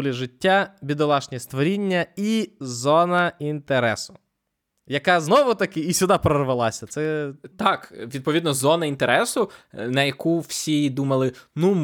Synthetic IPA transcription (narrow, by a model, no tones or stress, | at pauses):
lʲiʒɪtʲːabʲid̪ɔlˠɑʃnʲɛst̪ʋɔɾʲinʲːɐizɔnɐint̪eɾɛsʊ | jɐkɑznɔʋʊt̪ɐkɪisʲʊd̪ɑpɾɔrʋɐlˠɑsʲɐt̪sɛt̪ɑkʋʲid̪̚pɔʋʲid̪nɔzɔnɐint̪eɾɛsʊnɐjɐkuw̥sʲid̪umɐlˠɪnu